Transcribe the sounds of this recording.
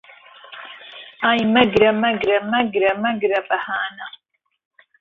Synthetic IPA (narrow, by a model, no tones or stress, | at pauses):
aːjmɐɡɾɐmɐɡɾɐmɐɡɾɐmɐɡɾɐpʼɐhaːnɐ